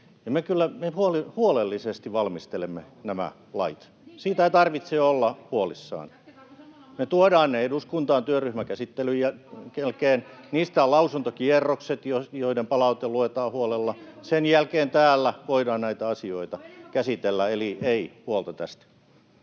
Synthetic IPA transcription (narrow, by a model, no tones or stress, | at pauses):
jɑmekylːæmehuolihuolelːisest̪iʋɑlmist̪elemːe | næmæ̰ | lɑ̰it̪ | siːt̪æit̪ɑrʋit̪seːolːɑhuolisːɑ̰ːn | met̪uodɑːnneeduskunt̪ɑːnt̪yøryhmækæsit̪ːelyjækelkeːnniːst̪æːlɑusunt̪okierːokset̪jojoidempɑlɑut̪eluet̪ɑːhuolelːɑsenjælkeːnt̪æːlːæʋoidɑːnnæit̪æɑsioit̪ɑkæsit̪elːæelieihuolt̪ɑt̪æst̪